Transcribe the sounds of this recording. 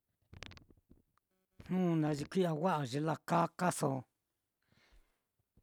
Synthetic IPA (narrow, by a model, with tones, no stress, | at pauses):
hũ˦˧nã˧ʐi˧kʷi˦a˧wa˦ʔa˨ʒi˧la˧ka˦ka˦so˨˧˨